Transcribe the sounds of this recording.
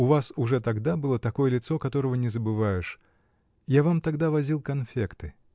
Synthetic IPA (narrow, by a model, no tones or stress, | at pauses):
ʊvasʊʐɛt̪ɐɡd̪abɨlˠət̪ɐko̞jəlʲɪt̪sokɐt̪o̞ɾəvənʲɪzəbɨvajɪʂ | javamt̪ɐɡd̪avɐzʲilˠkɐnfʲekt̪ɨ